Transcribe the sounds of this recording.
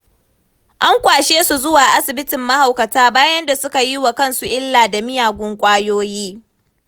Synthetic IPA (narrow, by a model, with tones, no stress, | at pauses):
ʔa˦ŋkʷaː˨ʃeː˦su˨zʊ˦waː˨ʔa˦sɪ˨bɪ˦tɪ˨mːɐ˦ha˨wkɐ˨taː˦baː˦jɐ˦nda˨sʊ˦ka˨ji˦wa˨kɐ˦nsu˨ʔɪ˦lːaː˨da˨mɪ˦jaː˨ɡʷʊ˦ŋkʷʼaː˦joː˦jiː˦